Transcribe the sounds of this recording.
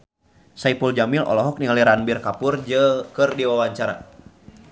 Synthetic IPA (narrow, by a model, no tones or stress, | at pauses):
saipuld͡ʒamilʔɔ̰lɔɦɔk̚niŋaliɾanbirkapurd͡ʒəkɨrdiwawaɲt͡ʃaɾa̰